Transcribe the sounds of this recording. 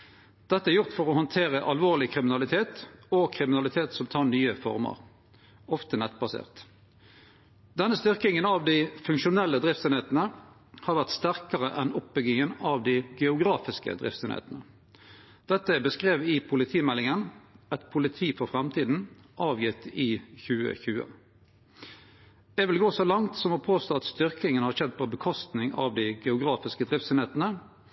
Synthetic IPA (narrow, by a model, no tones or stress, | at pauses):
d̪̥ɛt̪ːəæɾjʊʁt̪fɔʁɔhɔnt̪ʰeːʁəʔɑlʋoːʁlɪkʰʁɪmɪnɑlɪt̪ʰeːt̪ɔkʰʁɪmɪnɑlɪt̪ʰeːt̪sɔmt̪ʰɑːʁnyːəfɔ̰ʁmɑ̰ʁ | ɔft̪ənɛt̪bɑsḛːʁt̪ | d̪̥ɛnːəst̪ʏʁkɪŋənɑʋd̪ɪfʉŋkʃʊnɛlːəd̪ʁɪft̪seːnheːt̪ənə | hɑːʁʋæʁt̪st̪æʁkəʁəʔɛnɔp̚bʏɡɪŋənɑʋd̪ɪɡɛʊɡɾʁɑːfɪskə̰d̪ʁɪ̰ft̪sḛːnḛːt̪nə | d̪̥ɛt̪ːəbəskʁeːʋɪpʰʊlɪt̪ʰiːmɛlːɪŋənɛt̪pʰʊlɪt̪ʰiːfɔʁfʁɑmt̪ʰiːd̪n̩ | ʔɑːʋjɪt̪ːɪçʉːə̰çʉːə̰ | ɛʋɪlɡoːsɔlɑŋt̪sɔmɔpʰoːst̪oːɑt̪st̪ʏʁkɪŋənhɑʁçɛd̪pʰɔbəkʰɔst̪nɪŋɑ̰ʋd̪ɪɡɛʊɡʁɑːfɪskəd̪ʁɪft̪sɛːnheːt̪ənə